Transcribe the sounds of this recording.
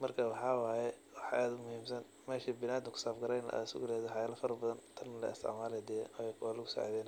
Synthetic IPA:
mɐrkʰawɑħɑːwaːjɛwɑħʔaːd̪ʊmʊhiːmsɐn | mɛːʃibɪnaːd̪ɪkʰʊ̥saːfɡɐɾɛjnɐ̰ʔa̰ːɪsʊ̰ɡʊlɛːðɔħɑjaːlɐfɐɾɐbɐðɐnt̪ʰɐnːɐlɛ̰ɪst̪ɪ̰ʕmaːlɛd̪ɛjɛʔɔjɛkʰwalʊɣʊsɔ̰ʕðɛːn

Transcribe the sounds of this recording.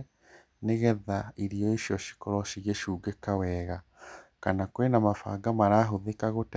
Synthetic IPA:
neɣɛðaiɾiɔiʃjɔʃi̥kɔɾɔʃiɣeʃuːɡekawɛːɣa | kanakoenamafa̰ɡamaɾaːɦoðekaɣot

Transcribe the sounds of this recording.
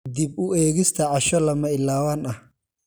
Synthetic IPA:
d̪ibʊɛːɣɪst̪ʰɐʕɑʃɔlɐmɐɪlːaːwaːnɐh

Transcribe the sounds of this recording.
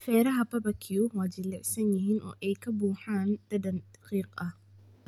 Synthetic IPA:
fɛːɾɐɦɐbɐbɐkʰɪjʊwaːd͡ʒɪlːɛʕsɐnjɪɦiːnʔɔ̰ːʔɛjkʰɐbuːħaːnd̪̥ɐd̪ɐnd̪̥ɐ̥qiːqʼɐh

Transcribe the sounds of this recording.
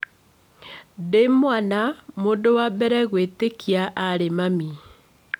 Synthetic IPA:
demwanamondowabɛɾɛɣwetekiaʔaɾemami

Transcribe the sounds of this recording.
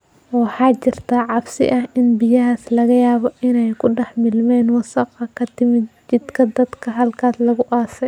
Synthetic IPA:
wɑħɑːt͡ʃɪr̥t̪ʰaːʕɑbsɪ̰ʔɐhɪnbɪjɐɦaːslɐɣɐjaːβɔʔɪnɛjkʰʊɖɛħmɪlmɛːnwɑsɑqɑkʰɐt̪ʰɪmɪt͡ʃɪd̪kʰɐd̪ɐd̪kʰɐɦɐlkʰaːslɐɣʊʔaːsɛj

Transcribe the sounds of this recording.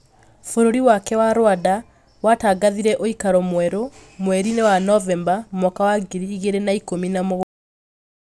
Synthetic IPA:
foɾoɾiwakɛwaɾwada | wataːɡaðiɾɛʔoikaɾɔmwɛɾomwɛɾinewanɔvɛmbamɔkawaɡeɾiːɣeɾenaikominamoɣ

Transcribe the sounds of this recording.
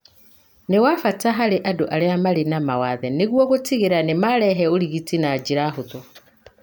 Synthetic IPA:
newafataɦaleʔadoʔaleamalenamawaðeneɣwɔɣotiɣeɾanemalɛɦɛoliɣitinaːd͡ʒiɾaɦuðo

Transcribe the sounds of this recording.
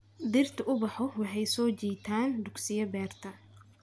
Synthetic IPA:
d̪ɪrt̪ʰɐʔʊbɑħɔwɑħɑjsɔːt͡ʃiːt̪ʰaːnd̪ʊɡsɪjɐbɛːrt̪ʰɐ

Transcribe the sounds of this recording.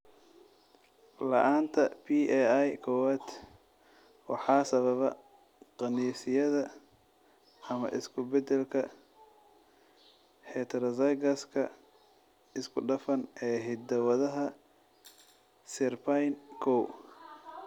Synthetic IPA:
lɐ̰ʔaːnt̪ʰɐpʰiːɛjkʰɔwaːd̪ | wɑ̰ħɑːsɐβɐβɐ̰ | qɑniːsɪjɐðɐ | ɐmɐ̰ʔɪskʰʊbɛd̪ɛlkʰɐ̰ | hɛt̪ʰɾɐzɐjɡɐskʰɐ | ɪskʰʊɖɐfɐnɛːɦɪd̪ɐwɐðɐɦɐ | sɪrpʰajnkʰɔw

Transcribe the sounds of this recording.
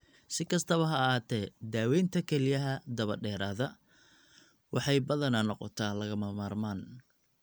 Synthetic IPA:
sɪkʰɐst̪ʰɐβɐɦɐɦaːt̪ʰɛːd̪aːwɛːnt̪ʰɐkʰɛlɪjɐɦɐd̪ɐβɐɖɛːɾaːðɐ | wɑħɑjbɐðɐnaːnɔqɔ̰t̪ʰaːlɐɣɐmɐmaːrmaːn

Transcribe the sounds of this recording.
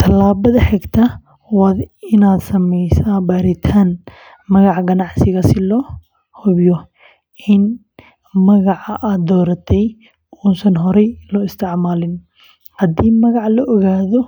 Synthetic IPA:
t̪ʰɐlaːβɐðɐħɛɡt̪ʰɐ | wɑd̪ɪnaːd̪sɐmɛjsaːbaːɾɪt̪ʰaːn | mɐɣɑʕɡɐnɑʕsɪɣɐsɪlɔː | hɔβjɔ | ʔɪn | mɐɣɑʕɑʔaːd̪d̪ɔːɾɐt̪ʰɛj | uːnsɐnɦɔɾɛjlɔɪst̪ʰɪʕmaːlɪn | hɐd̪iːmɐɣɑʕlɔʔːɣaːðɔ

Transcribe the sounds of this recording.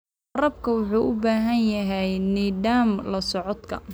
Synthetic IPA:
ɐɾɐb̚kʰɐwʊħuːʔʊbaːɦɐnjɐɦɛjniːd̪aːmlɐsɔʕɔd̪kʰɐ̰

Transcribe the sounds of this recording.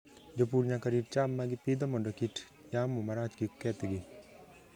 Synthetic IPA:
d͡ʒop̬uɾɲakaɾiʈt͡ʃamːaɡɪpid̪ɔmɔndɔkiʈ | jamːumaɾat͡ʃkikːɛt̪ɡɪ

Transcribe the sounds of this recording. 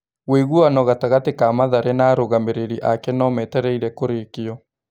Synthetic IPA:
ɣweɣuanɔɣataɣatekamaðaɾɛnaːɾoɣameɾeɾiʔakɛnɔmɛtɛɾɛiɾɛkoɾekeɔ

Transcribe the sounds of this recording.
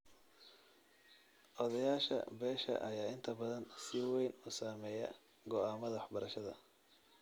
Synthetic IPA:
ʔɔðɐjaːʃɐ̰bɛːʃɐ̰ʔɐjaːɪnt̪ʰɐbɐðɐnsɪwɛjnuːsaːmɛːjɐ̰ | ɡɔaːmɐðɐwɑħbɐɾɐʃɐðɐ̰

